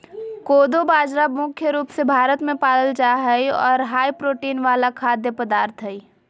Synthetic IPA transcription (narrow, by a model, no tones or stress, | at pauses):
koːd̪obaːd͡ʒɾamʊkʰjəɾuːpsebʱaːɾət̪mẽpaːləld͡ʒaɦəiɔ̰ːɾɦaːipɾoːʈiːnʋaːlakʰaːd̪jəpəd̪aːɾt̪ʰɦəi